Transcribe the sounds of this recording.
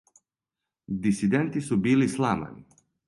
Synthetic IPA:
d̪isid̪ɛnt̪isubiːlislama̰ni

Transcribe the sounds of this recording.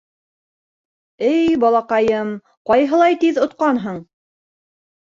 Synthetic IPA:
ɘjjbɑlˠɑqɑjɤm | qɑjɦɤ̆lˠɑjt̪iðŏt̪̚qɑnɦɤɴ

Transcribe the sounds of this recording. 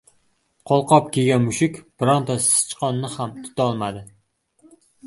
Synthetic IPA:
qʰɒlˠqʰɒp̚kʲʰeɡʲanmʊʃɪkʲbɾɒnt̪ʰɒssɪ̥t͡ʃqʰɒnːɪhamt̪ʰʊ̥t̪ʰaɒlˠmad̪ɪ

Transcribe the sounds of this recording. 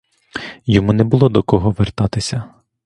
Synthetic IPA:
jɔmunɛbʊlˠɔd̪ɔkɔɦɔʋert̪ɑt̪ɪsʲɐ

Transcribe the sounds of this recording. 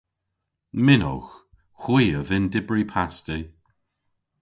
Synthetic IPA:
mɪnɔ̰x | xwiːəvɪndɪbɹipʰasti

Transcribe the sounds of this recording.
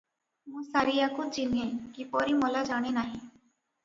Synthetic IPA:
mũsaɾijakut͡ʃinẽkipɔɾimɔlad͡ʒaɽ̃enaɦĩ

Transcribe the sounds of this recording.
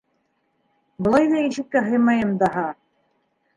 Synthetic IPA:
bɤ̆lˠɑjðɑiʃɘ̆kːæɦɤjmɑjɤmd̪ɑɦɑ

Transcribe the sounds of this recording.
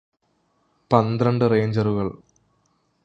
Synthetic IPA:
pɐnd̪rɐɳɖɨreːɲd͡ʑɐruɣɐɭ

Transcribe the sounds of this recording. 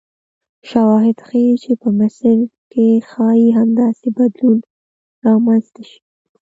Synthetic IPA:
ʃawɑɦɪd̪xəjit͡ʃepəmɪsəlkexɑjiɦamd̪ɑsebad̪lun | ɾɑmanst̪aʃi̥i̥

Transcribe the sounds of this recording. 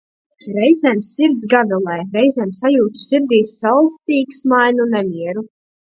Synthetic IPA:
ɾɛjzɛmsiɾd̪zɡavɛlˠɛjɾɛjzɛmsajuːt̪u̥siɾd̪ʲiːsːalˠkt̪iːksmajnunɛmʲiɛɾu

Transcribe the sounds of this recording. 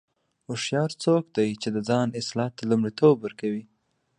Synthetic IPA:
ʊʃjɑɾt͡sokd̪ajt͡ʃed̪əd͡zɑnɪslɑt̪ːalumɽit̪obwəɾkawi

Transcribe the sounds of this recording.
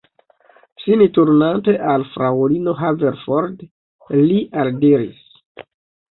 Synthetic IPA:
sinituɾnante̞ʔalfɾaolino̞ɦaveɾfoɾd | liʔaldiɾḭs

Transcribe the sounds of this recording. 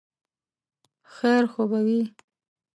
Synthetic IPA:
xeɾxobawi

